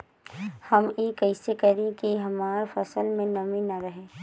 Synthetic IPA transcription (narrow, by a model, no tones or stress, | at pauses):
hɐmjeːkɐɪsekɐɾẽkiɦɐmaːɾfɐsəlmẽnɐmĩnɐɾəɦẽː